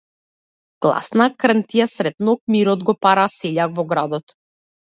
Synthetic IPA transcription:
ɡ̥lˠa̰snakrnt̪ijasɾɛt̪nɔk̚miɾɔd̪ɡɔpaɾasɛʎaɡvɔɡɾad̪ɔt̪

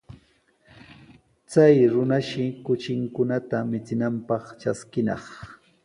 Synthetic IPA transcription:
t͡sajɾʊnaʃɪkʊt͡ʃɪŋkʊnat̪amɪt͡sɪnampɑχt͡ʃaskɪnɑ̰χ

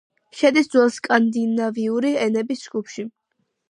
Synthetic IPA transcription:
ʃɛd̪isd̪zwɛlˠskʼand̪inaviuɾiɛnɛbisd͡ʒɡ̥upʰʃi

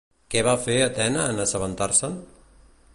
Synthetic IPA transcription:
kɛβafeət̪ɛnəːnəsəβənt̪aɾsən

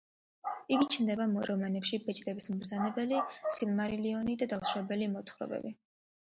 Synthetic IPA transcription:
iɡit͡ʃʰnd̪ɛbaɾɔmanɛpʃibɛt͡ʃʼd̪ɛbismbɾd̪zanɛbɛlisilmaɾiliɔnid̪ad̪aksɾɛbɛlimɔt̪ʰχɾɔ̰bɛ̰bi

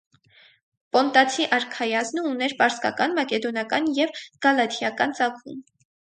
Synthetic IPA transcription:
pɔnt̪ɑt͡sʰiʔɑɾkʰɑjɑznəunɛɾpɑɾskɑ̰kɑnmɑkɛd̪ɔnjɑkɑnjɛvɡ̥ɑlɑt̪ʰjɑkɑnt͡sɑkʰṵm

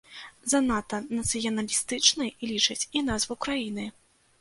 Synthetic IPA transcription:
zɐnat̪ɐnɐt̪sɨjɐnɐlʲist̪ɨt͡ʂnɨjlʲit͡ʂɐt͡sʲinazvɨwkɾajinɨ

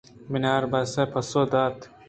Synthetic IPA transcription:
minaːɾbɐsɐpʰɐsod̪at̪

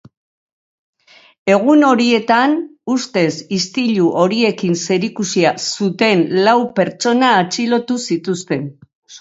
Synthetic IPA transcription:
e̞ɣ̞uno̞ɾie̞t̪anust̪e̞sist̪iʎuʔo̞ɾie̞kinse̞ɾikusiasut̪e̞nlawpe̞ɾt͡ʃo̞naːt͡ʃilo̞t̪usit̪ust̪e̞n

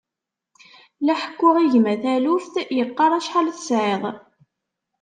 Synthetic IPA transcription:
læħə̥kːʊʁiʝmæθælufθjəqːɑɾˤæʃħalθsʕeðˤ

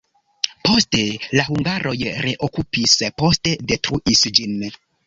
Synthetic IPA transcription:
po̞stelahuŋɡaɾʔo̞jɾe̞ʔokupispo̞ste̞de̞tɾuʔisd͡ʒin

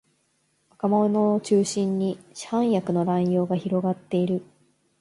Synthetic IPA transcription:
akamonoot͡ɕɨːɕĩɲːiɕhãɰ̃jakɯ̟no̞ɾãĩjo̞ːɡaçiɾo̞ɡat̪ːe̞iɾɯ̟

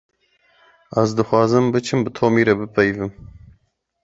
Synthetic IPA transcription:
æzd̪ɨxwɑːzɨmbɨt͡ʃʰɨmbɨt̪ʰoːmiːɾɛbɨpʰɛjvɨm

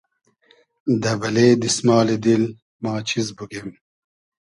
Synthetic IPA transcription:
d̪ɐbɐled̪ismaːlid̪il | mɑːt͡ɕʰizbuɡem

